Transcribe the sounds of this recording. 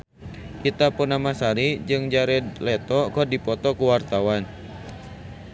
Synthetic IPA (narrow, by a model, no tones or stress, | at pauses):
ʔit̪apunamasaɾid͡ʒɨŋd͡ʒaɾɛdlɛt̪ɔkɔdipɔt̪ɔkuwart̪awan